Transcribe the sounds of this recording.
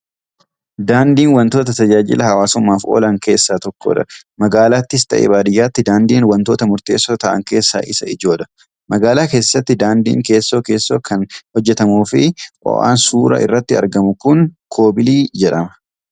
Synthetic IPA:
d̪aːnd̪iːnwɐnt̪o̞ːt̪ɐt̪ɐd͡ʒaːd͡ʒɪ̰lɐhɐwaːsʊmːaːfʔo̞̰ːlɐŋke̞ːsːaːt̪ɔkːo̰ːᶑɐ̰ | mɐɡaːlaːt̪ːɪst̪ɐʔḛːbaːd̪ɪjːaːt̪ːɪd̪aːnd̪iːnwɐnt̪o̞ːt̪ɐmʊɾt̪e̞̰ːsːoːt̪ɐʔɐ̰ŋke̞ːsːa̰ːʔɪsɐ̰ɪd͡ʒo̞ːᶑɐ̥ | mɐɡaːlaːkeːsːɐt̪ːɪd̪aːnd̪ḭːŋke̞ːsːo̞ːke̞ːsːo̞ːkʰɐnhɔd͡ʒːɛt̪ɐmuːfɪʔɔ̰ʔa̰ːnsuːɾɐ̰ʔɪ̰rːɐt̪ːɪɐ̰ɾɡɐmʊkʊnkʰo̞ːbɪliːd͡ʒɛᶑɐmɐ̥

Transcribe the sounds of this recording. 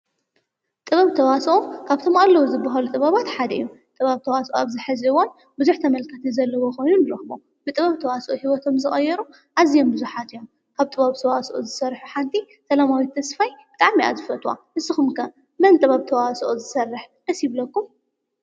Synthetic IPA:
t̪ʼɨβɐβt̪ʰɐwasʔokʰaβt̪ʰomalːɐwuzɨbːaɦalut̪ʼɨβɐβat̪ħad̪ɐʔɨ̰jːut̪ʼɨβaβt̪ʰɐwasʔoaβzɨħɨziɨwon | bɨzuħt̪ʰɐmɐlkʰɐt̪ʰizɐlːɐwoko̞jnunlɐxɨβo̰ | bɨt̪ʼɨβɐβt̪ʰɐwasɐʔohiwɔt̪ʰo̞mzɨxʼɐjːɛɾu | ʔazijo̞mbɨzuħat̪ɨjom | kʰaβt̪ʼɨβaβt̪ʰɐwasʔozɨsɐrħuħant̪ʰi | sɐlamawit̪ʰɐsfajbɨt̪ʼaʕmia̰zɨfɐt̪ʼwa̰nɨsɨxumkʰɐ | mɨnt̪ʼɨβaβt̪ʰɐwasɐʔozɨsɐrːɨħnɐsjiβlɐkːum

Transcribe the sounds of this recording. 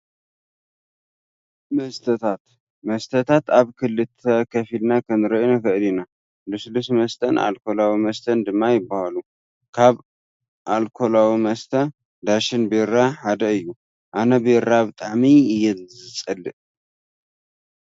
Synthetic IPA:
mɐst̪ʰɐt̪ʰat̪ | mɐst̪ʰɐt̪ʰat̪aβkʰɨlːɨt̪ʰɐkʰɐfilnakʰɐnɨɾɐinɐkɐʔɨlina | lɨslusmɐst̪ʰɐnʔa̰lkʰo̞lawimɐst̪ʰɐnd̪ɨmːajɪbːahalu | kʰaβ | ʔalkʰo̞lawimɐst̪ʰɐ | d̪aʃɪnbeɾaħad̪ɐɨjːu | ʔanɐbeɾabɨt̪ʼaʕmiɨjɛzɨt͡sʼːɐlːɨʔ

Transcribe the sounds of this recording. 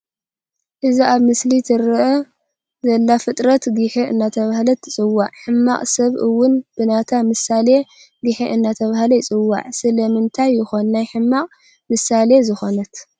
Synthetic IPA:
ʔɨziaβmɨslit̪ʰɨɾɨʔɐ | zɐlːafɨt̪ʼɾɐt̪ɡɨħeʔɨnːat̪ʰɐβahlɐt̪ʰːɨt͡sʼɨwːaʕħɨmːaqʼsɐβʔɨwːʊnb̥ɨnat̪ʰamɨsale̞ | ɡɨħeʔɨnːat̪ʰɐβahlɐjɪt͡sʼɨwːa̰ʕsɨlɐmɨnt̪ʰajːɪxo̞nːnajħɨmːaqʼ | mɨsale̞zɨxo̞nɐt̪

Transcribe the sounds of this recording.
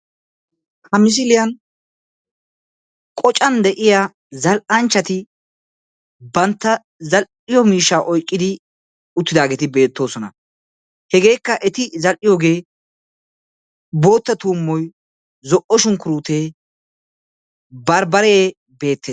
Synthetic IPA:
hɐmɪs̬ɪlɪjɐn | kʼɔt͡ʃʼɐnd̪ɛʔɪja | zɐlʔɐnt͡ʃːɐt̪ɪ | bɐnt̪ːɐ | zɐl | ɪjɔmiːʃːaːʔɔjkʼːɪd̪ɪ | ʊt̪ːɪd̪aːɡeːt̪ɪbe̞ːt̪ːo̞ːsɔnɐ̰ | hɛɡe̞ːkːɐʔɛt̪ɪzɐlʔɪjoːɡe̞ː | bo̞ːt̪ːɐt̪uːmːɔj | zɔʔɔʃʊŋkʊɾuːt̪e̞ː | bɐɾbɐɾeː | be̞ːt̪ʰːeː

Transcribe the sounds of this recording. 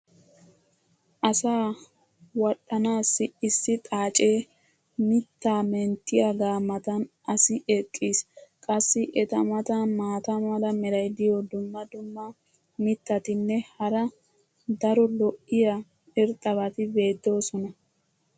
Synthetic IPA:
ʔɐsaː | wɐɗɐnaːsːɪɪsːɪt̪ʼaːt͡ʃʼe̞ː | mɪt̪ːaːmɛnt̪ːɪjɐɡaːmːɐt̪ɐnʔɐsɪʔɛkʼːiːskʼɐsːɪʔɛt̪ɐmɐt̪ɐmaːt̪ɐmɐlɐmɛɾɐjd̪ɪjɔd̪ʊmːɐd̪ʊmːɐ | mɪt̪ːɐt̪ɪnːɛhɐɾɐ | d̪ɐɾɔlɔʔɪjɐ | ɛɾt̪ʼːɐβɐt̪ɪbe̞ːd̪ːo̞ːsɔnɐ

